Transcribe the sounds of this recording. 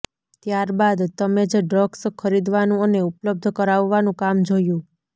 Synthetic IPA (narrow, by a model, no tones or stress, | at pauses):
t̪jaɾbad̪t̪əmed͡ʒɖɾɔɡskʰəɾid̪ʋanũəneupləb̚d̪ʱkəɾaʋːanũkamd͡ʒojũ